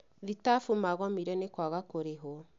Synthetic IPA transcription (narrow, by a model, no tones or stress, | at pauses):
ðitafumaɣɔmiɾɛnekwaɣakoɾeɦɔ